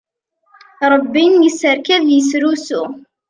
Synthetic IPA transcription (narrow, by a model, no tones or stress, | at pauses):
ɾˤəbːinjəsəɾkæðjəsɾusu